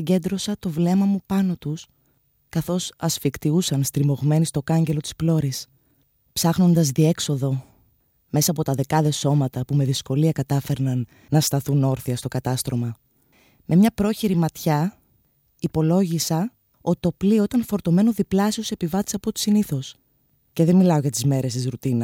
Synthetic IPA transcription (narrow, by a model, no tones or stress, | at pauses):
iɟe̞nd̪ɾo̞sɐt̪o̞vle̞mɐmupɐno̞t̪us | kɐθo̞sɐsfikt̪iusɐnst̪ɾimo̞ɣme̞nist̪o̞kɐɲɟe̞lo̞t̪i̥splo̞ɾis | psɐɣno̞nd̪ɐzðie̞kso̞ðo̞ | me̞sɐːpo̞t̪ɐðe̞kɐðe̞so̞mɐt̪ɐpume̞ðisko̞liɐkɐt̪ɐfe̞ɾnɐnː | ɐst̪ɐθuno̞ɾθiɐst̪o̞kɐt̪ɐst̪ɾo̞mɐ | me̞mɲɐpɾo̞çiɾimɐt̪çɐ | ipo̞lo̞ʝisɐ | ot̪o̞plio̞it̪ɐnfo̞ɾt̪o̞me̞noðiplɐsio̞se̞pivɐt̪i̥sɐpo̞t̪u̥siniθo̞s | ce̞ðe̞nmilɐo̞ʝɐt̪izme̞ɾe̞st̪izɾut̪inɐ